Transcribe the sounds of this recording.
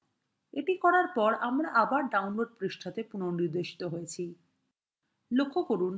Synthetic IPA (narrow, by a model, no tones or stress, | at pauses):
eʈikɔɾaɾpɔɾamɾaʔabaɾɖaunloɖ̚pɾiʃʈʰat̪epunoniɾd̪eʃi̥t̪oɦojet͡ɕʰi | lokʰːokoɾun